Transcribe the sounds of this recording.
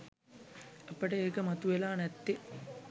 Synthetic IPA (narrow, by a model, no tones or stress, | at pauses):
ɐpəʈəeːkəmɐt̪uʋelaːnɛt̪ːi